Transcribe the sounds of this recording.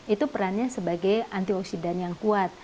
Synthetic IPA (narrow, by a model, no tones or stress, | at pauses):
ʔit̪upəɾanɲasəbaɡajant̪iɔksidanjaŋkuat̪̚